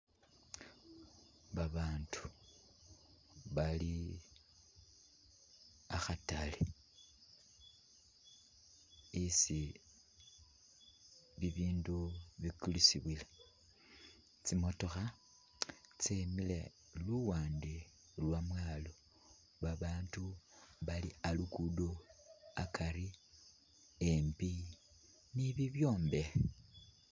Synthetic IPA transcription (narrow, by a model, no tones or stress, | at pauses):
βaβaːntʰu̥ | βali | axatale | isi | βiβiːnduβikulisiβwila | t͡simo̞to̞xa | t͡semile | luwaːndi | lwamwaːlo̞ | βaβaːntuβalialukudoakʰaɾi | empi | niβiβjo̞ːmbe̞